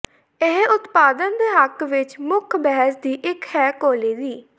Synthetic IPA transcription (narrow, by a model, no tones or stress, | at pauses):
ɪɦʊt̪paːd̪ənd̪eːɦəkʋɪt͡ʃmʊkʰbɛɦəsd̪iːʔɪkhɛːkoːleːd̪iː